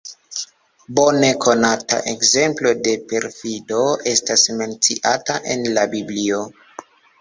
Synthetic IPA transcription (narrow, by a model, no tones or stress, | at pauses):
bo̞ne̞kʰo̞nata̰ʔekze̞mplo̞de̞pe̞ɾfido̞e̞stasme̞nt͡siʔataʔe̞̰nlabiblio̞